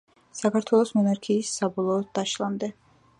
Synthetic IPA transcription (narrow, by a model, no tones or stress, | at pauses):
sakʰaɾt̪ʰwɛlˠɔsmɔnaɾkʰiːsːabɔlˠɔːd̪aʃlˠamd̪ɛ